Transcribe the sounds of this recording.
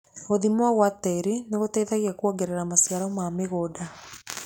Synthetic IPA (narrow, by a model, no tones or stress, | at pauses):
oðimwaɣwatɛɾineɣotɛiðaɣiakwɔɡeɾeɾamasjaɾɔmameɣoːda